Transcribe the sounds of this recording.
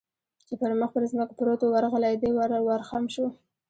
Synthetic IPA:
t͡ʃepəɾməxpəɾzməkopɾot̪owaɾɣəlajd̪ewaɾwaɾxamʃo

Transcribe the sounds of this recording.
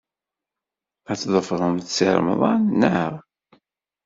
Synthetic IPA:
æt͡sːðˤəfʁəmθsḭɾməðˤɑnnːəɾ

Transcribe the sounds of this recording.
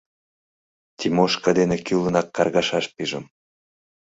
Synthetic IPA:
t̪ʲimoʃkɑd̪enekylənɑkːɑrɣɑʃɑʃpiʒə̰m

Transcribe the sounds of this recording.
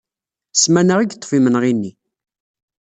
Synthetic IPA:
smænəʁiɡt̪ˤːfimənʁinːi

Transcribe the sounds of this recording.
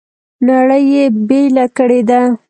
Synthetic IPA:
naɽəjebelakəɽed̪a

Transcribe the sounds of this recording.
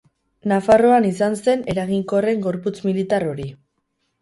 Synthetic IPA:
nafaro̞anisanse̞ne̞ɾaɣiŋko̞re̞ŋɡo̞ɾput͡smilit̪aro̞ɾi

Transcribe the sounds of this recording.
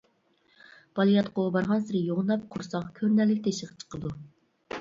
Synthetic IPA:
b̥ɑlˠijɑt̪qʰoubɑɾʁɑnsɪɾɪjoʁnˠɑp̚qʰʊɾsɑqkʲʰøɾnɛlːɪkʲt̪ʰeʃəʁɑ̥t͡ʃʰə̥qəd̪u

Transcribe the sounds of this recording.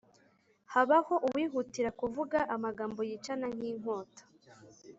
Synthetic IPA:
haβaho̞ʔuwiːɦutiɾakuvuɡaʔamaɡaːmbo̞jiːt͡ʃanaŋ̥hiːŋ̥o̞ːtḁ

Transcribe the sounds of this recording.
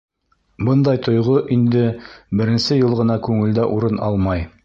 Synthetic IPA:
bɤnd̪ɑjt̪ŏjʁoʔind̪ɘbɘ̆ɾɘ̆nsɘjɤlˠʁɤ̆nɑkʉŋɘ̆ld̪æʔuɾɤnɑ̰lˠmɑj

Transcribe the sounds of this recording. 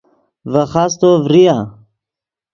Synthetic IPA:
vəχast̪ovɾija

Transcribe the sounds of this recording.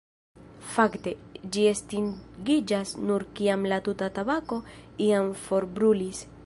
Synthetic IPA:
fakt̪ed͡ʒiest̪inɡid͡ʒasnuɾkiamlat̪ut̪at̪aβakoiaɱfoɾbɾulis

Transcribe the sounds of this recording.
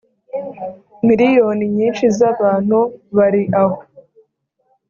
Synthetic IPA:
miɾijoːniɲiːnʃizaβaːn̥huβaɾiʔaho

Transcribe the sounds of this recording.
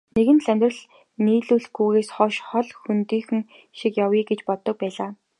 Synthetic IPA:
neɣɘ̆nt̪ɮæmʲt̪rə̆ɮ | niːɮuːɮɡuːɣeːsχɔʃχɔɮxunt̪iːxɘ̆ŋ | ʃikjawiːɡet͡ɕpɔt̪ːɞ̆k̚pæːɮaː

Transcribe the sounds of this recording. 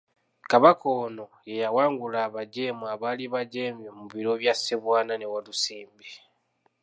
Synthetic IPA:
kaβakʰo̞ːno̞jejawaːŋɡulaːβaɟe̞ːmuaβaːliβaɟeːmjemuβiɾoβjaseβwaːnane̞walusiːmbi

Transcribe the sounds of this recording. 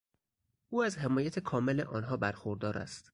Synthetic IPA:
ʔuːæzhe̞mɒːjæt̪ʰekʰɒːmelḛʔɒːnɦɒːbæɾxoɾd̪ɒːɾʔæ̰st̪

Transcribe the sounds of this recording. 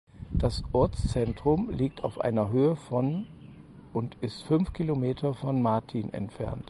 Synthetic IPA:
d̥asʔɔɐt͡st͡sɛntʁ̥ʊmliːk̚tʰaʊfʔa̰ɪnɐɦøːəfɔn | ʊntɪstfʏnfkʰilomeːtʰɐfɔnmaɐtʰinʔɛ̰ntfɛ̰ɐnt

